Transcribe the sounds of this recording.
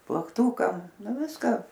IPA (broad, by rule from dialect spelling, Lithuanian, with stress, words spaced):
plˠɐkˈtuːkɐm ˈnʊ ˈʋʲɪskɐ